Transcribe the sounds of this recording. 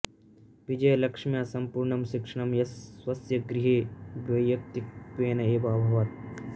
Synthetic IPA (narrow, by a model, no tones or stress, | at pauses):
ʋid͡ʒɐjɐlɐkʂmjasɐmpuɾɳɐmʃɪkʂɐɳɐmjɐswɐsjɐɡɾɪɦeːʋɐjjɐk̚t̪ikʋeːnɐeːbaːbʱɐʋɐt̪̚